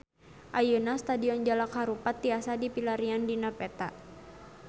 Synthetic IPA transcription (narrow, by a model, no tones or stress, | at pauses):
ʔajənast̪adiɔnd͡ʒalakhaɾupat̪̚ːiasadipilaɾiandinapɛt̪aʔ